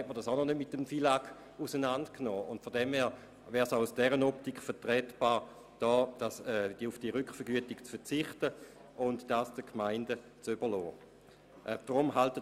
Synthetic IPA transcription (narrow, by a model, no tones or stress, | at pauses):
hɛt̚məʁdasaʊnɔnøtmɪtːəmfilaɡ | usənantknɔːʔʊntfɔɐdɛmhɛːʁ | vɛːʁsaʊusd̥ɛʁənɔptikχfɛɐtʁɛtb̥aːʁ | d̥ɔːd̥asɛd̥iufd̥iəʁʏkfɛɐɡyətɪkt͡sfɛɐt͡sɪχtə | ʔʊntd̥asd̥əkʰmaɪndə | t͡sybəɐlɔː | ʔɛd̥ʁʊmɦaltə